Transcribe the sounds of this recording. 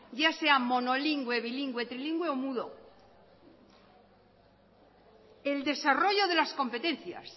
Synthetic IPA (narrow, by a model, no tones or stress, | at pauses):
ɟ͡ʝase̞amo̞no̞liŋɡweβiliŋɡwet̪ɾiliŋɡweomuðo | eld̪e̞saro̞ʝo̞ðe̞lasko̞mpe̞t̪e̞nθja̰s